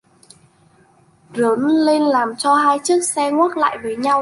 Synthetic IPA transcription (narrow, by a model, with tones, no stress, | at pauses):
zə˨˦nle˧nlaː˨˩mt͡ɕɔ˧haː˧jt͡ɕɨ˦˥ək̚sɛ˧ŋwaː˦˥t̚la̰ː˧˨jveː˨˩ɲa˧w